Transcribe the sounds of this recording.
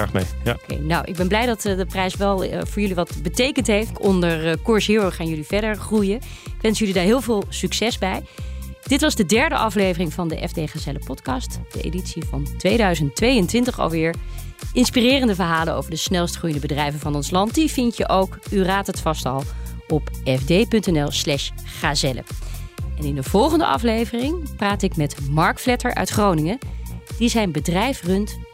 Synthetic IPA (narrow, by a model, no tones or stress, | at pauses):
mḛkḛjnawʔɪ̰ɡ̚bɛnblɛjdɑtdəprɛjsʋɛlˠvʊːɹjɵliʋɑtbətejkəntɦejftɔndəɹkʊɹsɦɪːɹəχaːnjɵliv̥ɛɹdəɹχrujə | ɪkʋɛnsjɵlidaːɹɦɪːlˠvɪːlˠsyksɛzbɛjd̥ɪtʋɑzdədɛɹdəʔɑflejvərɪŋvɑndəʔɛ̰vdeχaːsɛləpɔtkɑstd̥əʔḛjditsivɑ̰ntʋejdœɥzənttʋejəntʋɪntəχɑ̰lˠʋɪːɹ | ʔɪnspirɪːrəndəvəɹɦaːləno̰wvəɹdəsnɛlˠstχrujəndəbədrɛjvənvɑnɔnslɑnt̚divɪntəʔowkyraːtətfɑstɑ̰lˠ | ɔpɛfdejpɵntɛnɛlˠslɛʃ | χaːzɛlə̰ɛnɪndəv̥ɔlˠχəndə̰ʔɑ̰flejvərɪŋpraːtɪkmɛtmɑɹkflɛtəɹʔœ̰ɥtχrownɪŋəd̥izɛjnbədrɛjfrɵnt